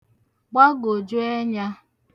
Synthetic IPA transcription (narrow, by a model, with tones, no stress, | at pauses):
ɡ͡ba˦ɡo˨d͡ʒʊ˦e˦ɲa˦